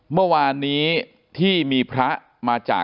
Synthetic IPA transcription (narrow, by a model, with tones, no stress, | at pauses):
mɯ˥˩əwaː˧nːiː˦˥ | t̪ʰiː˥˩miː˧pʰɾa˦˥ʔ | maː˧t͡ɕa̰ː˨˩